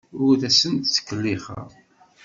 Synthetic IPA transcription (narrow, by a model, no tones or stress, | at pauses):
ʊɾθæsənt̪t͡sːə̥kːəlːiχə̰ɾ